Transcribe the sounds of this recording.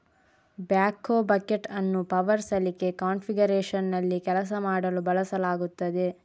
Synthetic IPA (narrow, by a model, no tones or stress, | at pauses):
bjaːkːoːbɐkeʈɐnːupɐʋɐɾsɐlike̞kaːnpʰiɡɐɾeːʃɐnːɐlːikɛlɐs̬ɐmaːɽɐlubɐlɐsɐlaːɡut̪ːɐd̪e̞